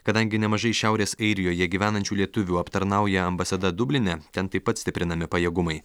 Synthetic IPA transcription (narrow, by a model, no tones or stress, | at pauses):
kɐd̪ɐŋʲɡʲɪnʲɛmɐʒɐɪʃʲæˑʊɾʲeːsɐɪɾʲɪjoːjɛɡʲiːʋʲæːnɐnʲt͡ʃʲuːlʲiɛt̪ʊʋʲuːɐpt̪ɐɾnɐˑʊjɛɐmbɐsɐd̪ɐd̪ʊbʲlʲɪnʲɛt̪ʲɛnt̪ɐɪpɐt̪sʲt̪ʲɪpʲɾʲɪnɐmʲɪpɐjeːɡʊmɐɪ